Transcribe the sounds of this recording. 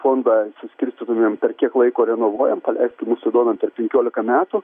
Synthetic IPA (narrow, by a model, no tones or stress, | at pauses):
foːnd̪ɐsʊsʲkʲɪɾʲsʲt̪ʲit̪ʊmʲeːmpʲɛrkʲiɛklˠɐɪkoːɾʲɛnoːʋuɔjɛmpɐlʲɛɪsʲt̪ʲɪmʊsɪd̪oɔmʲɛnpʲɛrpʲɛŋʲkʲoːlʲɪkɐmʲæːt̪ʊ